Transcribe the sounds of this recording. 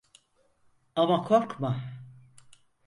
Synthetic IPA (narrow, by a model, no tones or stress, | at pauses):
amakʰoɾkma